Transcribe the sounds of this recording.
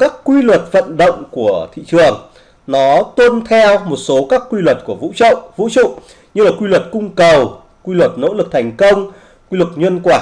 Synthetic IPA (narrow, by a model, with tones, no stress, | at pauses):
kaː˦˥kːwi˧lwə˨˩t̚və̰˧˨nɗo̰˧˨wŋ͡mku˧˩ət̪ʰḭ˧˨t͡ɕɨ˨˩əŋ | nɔ˨˦t̪wə˧nt̪ʰɛ˧wmo˨˩t̚so˨˦kaː˦˥kːwi˧lwə˨˩t̚ku˧˩əvṵ˧˥t͡ɕə̰˧˨wʔvṵ˧˥t͡ɕṵ˧˨ | ɲɨ˧laː˨˩kwi˧lwə˨˩t̚kʊ˧ŋ͡mkə˨˩w | kwi˧lwə˨˩t̚no̰˧˥lɨ˨˩k̚t̪ʰa˨˩jŋ̟kə˧wŋ͡m | kwi˧lɨ˨˩k̚ɲwə˧nkwaː˧˩